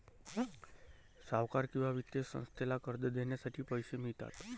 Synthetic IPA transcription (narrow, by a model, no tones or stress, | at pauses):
saʋkaɾkiʋaʋɪt̪ːesə̰̃nst̪ʰelakəɾd̪əd̪enesəʈipəjʃemit̪a̰t̪